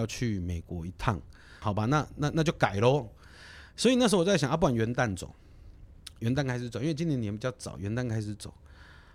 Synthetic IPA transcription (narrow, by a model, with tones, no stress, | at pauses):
ʊt͡ɕʰy˥˩me˨˩ɪkwɔ˧˦i˧˦t̪ʰa̰˥˩ŋ | xɑ˨˩ʊba˦na˥˨na˥˧na˥˧t͡ɕjo˥˩ʊka˨˩ɪlə˦ | swɔ˧˥i˨na˥˩ʂ̩˧˥wɕja˨˦a˥p̬u˥˩a˨˩nɥɛ˧˦nt̪a˥˩nt͡so̰˨˦ | ɥɛ˧˦nt̪a˥˧nkʰa˥ɪʂ̬ɻt͡so˨˦i˥wt͡ɕi˥njɛ˧˦njpi˨˩t͡ɕjɑ˥˩ʊt͡sɑ̰˨˩ʊɥɛ˧˦nt̪a˥˩nkʰa˥ɪʂɻ̩˨˧˦t͡so̰˨˩˦